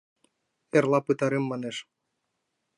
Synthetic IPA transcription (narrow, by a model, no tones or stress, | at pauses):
erlɑpɯt̪ɑɾemːɑneʃ